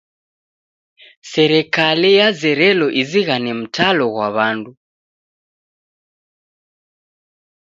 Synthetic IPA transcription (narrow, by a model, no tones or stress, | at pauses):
sɛɾɛkalijazɛɾɛlɔʔiziɣanɛm̩tʰalɔɣwaβandu